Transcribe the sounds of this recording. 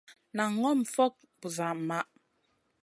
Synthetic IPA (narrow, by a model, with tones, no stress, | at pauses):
na˨ŋɔ˦m̩˨fɔ˦k̚ | bu˨za˨ma˦ʔ